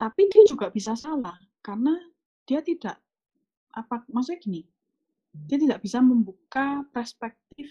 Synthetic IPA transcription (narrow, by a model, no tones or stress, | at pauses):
t̪apid̥iad͡ʒuɡaʔb̥isasalah | karna | d̥iat̪idaʔ | ʔapamas̬oaɡ̥ini | d̥ijat̪idaʔb̥isaməmbukapɛrspɛk̚t̪ɪf